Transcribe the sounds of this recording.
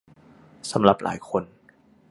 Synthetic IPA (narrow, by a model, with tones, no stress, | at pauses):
sa˨˩˦mɾa˨˩p̚lʔa̰ː˩˦jkʰo˧n